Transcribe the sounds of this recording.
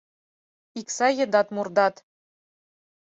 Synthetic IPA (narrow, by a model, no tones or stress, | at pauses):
iksɑjɤ̆d̪ɑt̪murd̪ɑt̪